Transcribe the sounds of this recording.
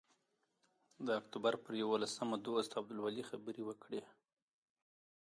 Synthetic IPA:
d̪əakt̪ubaɾpəɾjawolasəmad̪ost̪aab̚d̪ʊlwalixabəɾewəkɽe

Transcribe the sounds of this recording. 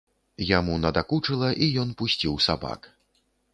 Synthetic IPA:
jamunɐd̪akut͡ʂɨlˠɐʔijɔnpusʲt͡sʲiwsaba̰k

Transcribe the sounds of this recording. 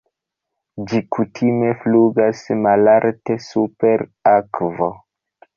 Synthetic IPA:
d͡ʒikʰutʰime̞fluɡasmalaɾtesupe̞ɾakvo̰

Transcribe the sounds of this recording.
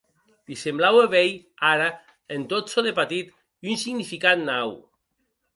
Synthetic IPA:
d̪̥isemblaweβej | aɾa | ent̪otsoðepat̪it̪ | unsiɣnifikat̪naw

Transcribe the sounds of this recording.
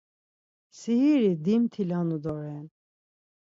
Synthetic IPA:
sihiɾid̪imt̪ʰilanud̪ɔɾɛn

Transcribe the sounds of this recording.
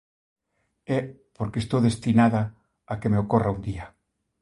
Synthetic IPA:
ɛ | poɾkest̪owðest̪inaðaː | kemeokoraund̪ia

